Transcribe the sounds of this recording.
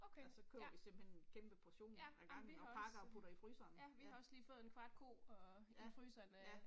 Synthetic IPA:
okʰesɒ̽kʰøːɐʋisemb̥henekʰemb̥əpʰɒɕo̝̰ːnæɡ̥ɑ̈ŋpʰɑ̈ɡ̥ɐɒ̽pʰuɾ̥ɐifʁyːsɐːnæʋihɑ̈ɒ̽sliːfɔ̽ːð̩ˠe̝nkʰʋɑ̈ːd̥̚kʰo̝̰ːifʁyːsɐnəæ

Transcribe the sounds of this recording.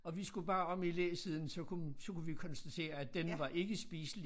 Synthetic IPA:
ɒ̽ʋisɡ̥ub̥ɑ̈ːɒ̽m̥ileːsið̞ˠn̩sɒ̽kʰusɒkuʋikʰɒ̽nsd̥æt͡sʰe̝̰ːɐæd̥enʋɑ̈ʔe̝ɡ̥əsb̥ḭːsəli

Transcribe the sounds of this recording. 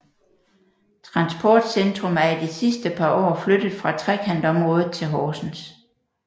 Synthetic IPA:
t͡sʰʁɑ̈nsb̥ɒːd̥send̥ʁɔ̽mæɐid̥isisd̥əpʰɑ̈ʔɒ̰ːflød̥əð̩ˠfʁɑ̈t͡sʰʁɛkʰænd̥ɒ̽mʁɔ̽ːð̩ˠt͡sʰe̝lɦɒːsn̩s

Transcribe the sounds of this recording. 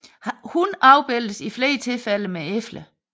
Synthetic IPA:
hunɑ̈ʊb̥el̰d̥əsifle̝̰ːt͡sʰe̝lfel̰əmeeflə

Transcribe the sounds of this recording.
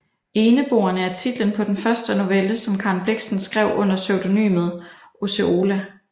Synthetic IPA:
e̝ːnəb̥o̝̰ːɐnəæɐt͡sʰid̥lənpʰɒ̽d̥enfɶɐsd̥əno̝ʋeləsɒ̽mkʰɑ̈ːnb̥le̝ɡ̥sn̩sɡ̥ʁɛʊ̰ʔɔ̽n̰ɐsøʊd̥o̝ny̰ːməð̞̩ˠ | o̝seʔo̝ːlæ

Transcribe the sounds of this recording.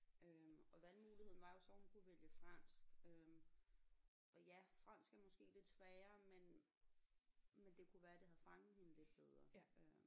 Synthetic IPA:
ʔømɒ̽ʋænmuːlihe̝ð̞̰ˠn̩ʋɑ̈jo̝sɒhunkʰuʋeljəfʁɑn̰sɡ̥øm | ʔɒ̽jæfʁɑn̰sɡ̥æɐmɒ̽sɡ̥e̝̰ːle̝d̥sʋɛːɐmen | mend̥e̝kʰuʋæːɐd̥e̝ɦæð̩ˠfɑ̈ŋð̩ˠhe̝nəle̝d̥̚b̥eð̞ˠʁɐø

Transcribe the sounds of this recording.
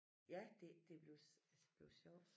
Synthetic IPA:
jæd̥ed̥e̝b̥le̝ʊsb̥le̝ʊɕɒʊ̰̥

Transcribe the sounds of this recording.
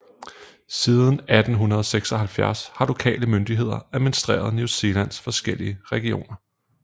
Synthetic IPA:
siːðˠn̩æd̥n̩ɦunɐð̞ˠɒseɡ̥sɒ̽ɦælfjæɐshɑ̈lo̝kʰɛ̰ːləmønd̥iɦe̝ð̞̰ˠɐæmensd̥ʁḛːɐð̞ˠnjuse̝ːlæn̰sfɒ̽sɡ̥el̰iəʁɛɡ̥io̝̰ːnɐ

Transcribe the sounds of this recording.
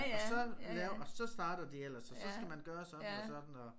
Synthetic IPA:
sɒlɛʊsɒ̽sd̥ɑ̈ːd̥ɐd̥iel̰ɐsɒsɒ̽sɡ̥æmænɡ̥ɶːɐsɒ̽dsɒ̽d̥n̩ɒ̽

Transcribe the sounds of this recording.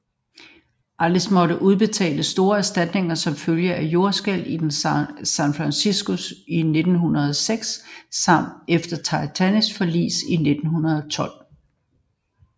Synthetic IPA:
ʔælismɒ̽ɾəʔuð̞ˠb̥e̝t͡sʰɛ̰ːləsd̥o̝ːɐæɐsd̥æd̥ne̝ŋɐsɒ̽mføljəʔæjo̝ɐsɡ̥æl̰i̥ | sænfʁɑnsisɡ̥usine̝d̥n̩ɦunɐð̞ˠɒseɡ̥sːɑ̈m̰d̥efd̥ɐt͡sʰɑ̈t͡sʰænisfɒ̽lḭːsine̝d̥n̩ɦunɐð̞ˠɒt͡sʰɒ̽l̰

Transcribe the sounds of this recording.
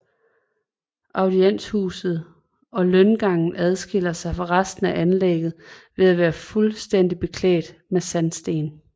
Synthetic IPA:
ʔɑ̈ʊdien̰shṵːsð̩ˠ | ɒ̽lœnɡ̥ɑ̈ŋ̰n̩æð̞ˠsɡ̥e̝l̰ɐsɑ̈ɪfɑ̈ʁɑsd̥n̩æʔænleɡ̥ð̞̩ˠʋe̝ðˠæʋæːɐfulsd̥en̰d̥ib̥e̝kʰlɛ̰ːd̥mesænsd̥e̝̰ːn

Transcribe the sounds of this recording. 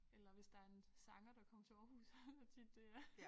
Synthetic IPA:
elɐʋe̝sd̥ɑ̈æɐe̝nsɑ̈ŋɐɾ̥ɑ̈kʰɒ̽m̰ɐt͡sʰe̝ɒːhuːst͡sʰid̥ːe̝æɐ

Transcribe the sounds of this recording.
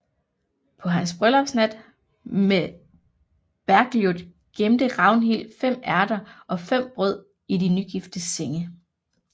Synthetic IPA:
pʰɒ̽ɦænsb̥ʁœlɒ̽b̥snæd̥ | me | b̥æɐɡ̥lod̥ | ɡ̥emd̥əʁɑ̈ʊnhil̰fem̰æɐd̥ɐɒ̽fem̰b̥ʁœð̰ˠ | idinyɡ̥ifd̥əseŋə

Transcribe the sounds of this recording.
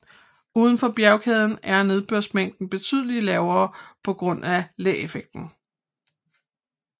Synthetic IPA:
uːð̞ˠn̩fɒ̽b̥jæʊkʰɛð̞ˠn̩æɐne̝ð̞ˠb̥øɐsmeŋ̰d̥n̩b̥e̝t͡sʰy̰ːð̞ˠəliəlɛʊɐːpʰɒ̽ɡ̥ʁɔ̽n̰ʔælɛ̰ːe̝feɡ̥̚d̥n̩

